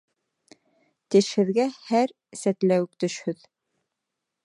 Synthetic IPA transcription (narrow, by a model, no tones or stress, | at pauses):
t̪ɘ̆ʃhɘ̆ðɡæhæɾ | sæt̪læwɘk̚t̪ɵ̆ʃhɵð